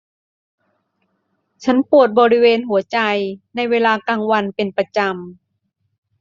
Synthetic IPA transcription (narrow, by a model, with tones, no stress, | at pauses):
t͡ɕʰa˦˥npu˨˩ət̪̚bɔː˧ɾi˦˥weː˧nɦu˩˦ɐt͡ɕa˧jna˧jweː˧laː˧kaː˧ŋwa˧npe˨npa˧t͡ɕa˧m